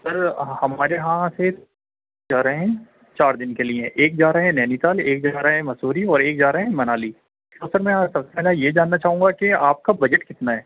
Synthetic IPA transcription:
sɐɾhɐmaːɾeɦãse | d͡ʒaːɾaɦɛ̃ | t͡ʃaːɾd̪ɪnkeliẽʔeːk̚d͡ʒaːɾaɦɛ̃nɛːnit̪aːleːk̚d͡ʒaːɾaɦɦɛ̃mɐsuːɾiɔːɾeːkd͡ʒaːɾɦɛ̃mɐnaːli | kosəɾmɛ̃sɐbsepɛːlajed͡ʒaːnːat͡ʃaːɦũːŋɡakeaːp̚kabɐd͡ʒəʈkɪt̪naɦɛː

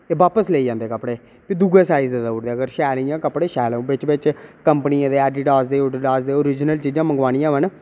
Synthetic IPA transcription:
eːʋaːpəsleːiːd͡ʒãːnd̪eːkəpɽeː | piːd̪ʊɡeːsaːizd̪eːd̪aːʊɾd̪eːəɡəɾʃɛːlijãːkəpɽeːʃɛːl̃ːbɪt͡ʃbɪt͡ʃkəmpəniãːd̪eːɛːɖɪʈaːsd̪eːʊɖɪʈaːsd̪eːoɾɪd͡ʒnəlt͡ʃiːd͡ʒãːməŋɡʋaːñijãːʋən

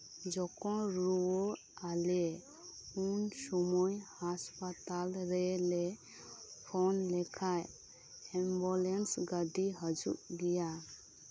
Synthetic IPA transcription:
d͡ʒɔkɔ̃ɾuɔ | alɛ | unsɔmɔjhaspat̪alɾɛlɛ | pʰɔnlɛkʰaj | ɛmbɔlɛnsɡad̪iɦəd͡ʒṵʔd̪ija

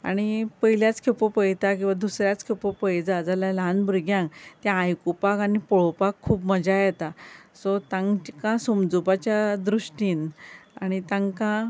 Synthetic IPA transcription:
a̰ɽ̃ipəɦiljat͡skʰepopəjt̪ak̬ĩw̃ʋad̪usɾjat͡skʰepopəjd͡zad͡zaljalɦanbuɾɡjãŋkt̪jãːjkupakanipɔɭ̤opakʰːuːbməd͡ʑajɛt̪asɔt̪ãŋkãsomd͡zubat͡ɕjad̪ɾuʂʈiːnaɽ̃it̪ãŋkã

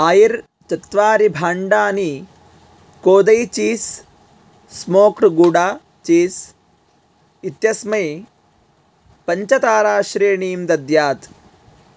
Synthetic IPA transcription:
aːjiɾ | t͡ʃɐt̪ʋaːɾibʱaːɳɖaːni | koːd̪ɐjt͡ʃiːsː | moːkɾɡuɽaː | t͡ʃiːs | it̪jɐsmɐj | pɐɲt͡ʃɐt̪aːɾaːʃɾeːɳiːmd̪ɐd̪jaːt̪

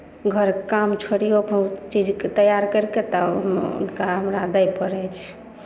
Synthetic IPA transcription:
ɡʱəɾkamt͡ʃʰoɽijokt͡ʃid͡ʒket̪əjaɾkəɾket̪ɔɦṵnkaɦəmɾad̪əjpəɾɛt͡ʃʰ

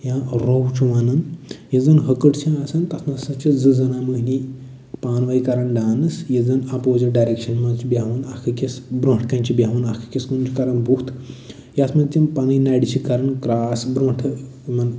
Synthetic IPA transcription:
jãɾowt͡ʃʰuʋɐnɐnjɐzɐnɦɐkəʈt͡ʃʰĩɐsɐnt̪ɐsʰmɐsɐt͡ʃʰizɨzɐnamɨɦni | paːnʋaikɐɾɐnɖaːnɨsjezɐnɐpoːd͡ʒɐɖajɾekʃɐnmɐnt͡ʃʰibʲaʋɐnɐkʰɨkʲɐsbɾõʈʰkɐnt͡ʃʰibʲaːʋɐnɐkʰɨ̥kʲɐskunt͡ʃʰikɐɾɐnbuht̪ʰ | jasmɐnt̪ʲinpɐnɨjnaɽit͡ʃʰikɐɾɐnkɾaːsbɾõːʈʰɨ | mɐn

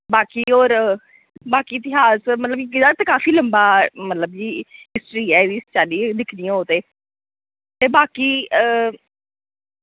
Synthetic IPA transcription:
baːkiːoːɾ | baːkiːɪt̪ɪɦaːsmət̪ləb̚kiɡɪd̪aːt̪eːkaːfiːləmbaːmət̪ləb̚d͡ʒiːɪsʈɾiːɛːed̪iːst͡ʃaːliːd̪ɪkʰniːãːɦoːt̪eː | t̪eːbaːkiːə

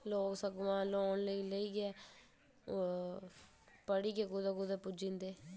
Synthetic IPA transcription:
loːksəɡʋãːloːnləiːləiːɡɛː | pəɽiːɡeːɡʊd̪aɡʊd̪aːpʊd͡ʒĩːnd̪eː

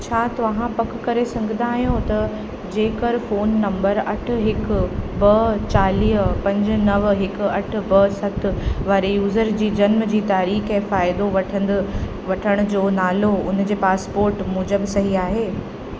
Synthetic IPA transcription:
t͡ɕʰaːt̪ɐʋʋãpɐkkɐɾesɐ̃ŋɡʱɪ̃nd̪aːɦijõt̪ɐ | d͡ʑeːkəɾfoːnːɐ̃mbəɾɐʈʰʊ̆ɦɪkbɐt͡ɕaːliːɦpɐ̃ɲd͡ʑʊ̆nɐʋɦɪkʊ̆ɐʈʰʊ̆bɐsɐt̪̆ʰʋaːɾejuːzəɾd͡ʑiːd͡ʑɐnməd͡ʑiːt̪aːɾiːxẽfaːɪd̪oʋɐʈʰn | ʋɐʈʰəɽ̃ʊd͡ʑoːnaːloʊn̤d͡ʑeːpaːspoːɾʈmuːd͡ʑəbsɐɦiaːɦeː

